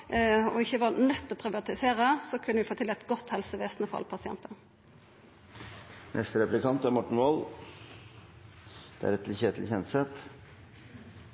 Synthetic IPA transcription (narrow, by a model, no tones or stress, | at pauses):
ɔ̰ɪçəʋɑnœt̪ːɔːpʰʁɪʋɑt̪ɪseːɾəsɔkʰʉnːəʋɪfoːt̪ɪlɛt̪ɡɔt̪ːhɛlsəʋeːsnəfɔɑ̰lpʰɑsɪɛ̰nt̪ə | nʔɛst̪əɾɛplɪkʰɑnt̪æɾmɔʈɳ̩ʋɔl | d̪̥ɛæ̰ɾɛt̪ʰlɪçeːt̪ʰlçɛnt̪sɛt̪